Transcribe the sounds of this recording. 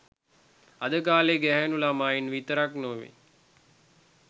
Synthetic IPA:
ad̪əkaːleɡæɦænulamaːjinʋit̪əɾaknoːʋḛ

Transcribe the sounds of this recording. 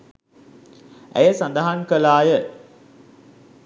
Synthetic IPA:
æ̰jəsand̪əɦaŋkəlaːjə

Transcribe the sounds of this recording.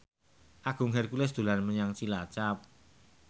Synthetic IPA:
ʔaɡ̥ṳŋɦɛrkulɛsd̪̥o̤lanməɲaŋt͡ʃilat͡ʃap̚

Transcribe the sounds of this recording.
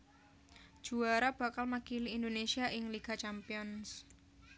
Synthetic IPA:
d̥ʒ̥ṳaɾab̥a̤kalmakiliːnd̪onesiaʔɪŋliɡ̥at͡ʃampiɔns

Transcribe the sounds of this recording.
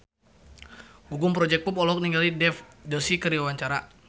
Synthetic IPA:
ɡuɡʊmpɾɔd͡ʒɛk̚pupɔlɔk̚niŋɡalidɛfdɔsikəɾiwawaɲt͡ʃaɾa

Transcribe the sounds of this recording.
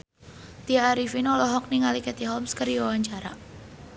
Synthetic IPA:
t̪iaːɾifinɔlɔɦɔk̚niŋalikɛt̪iɦɔlmskəɾiwawaɲt͡ʃaɾa̰

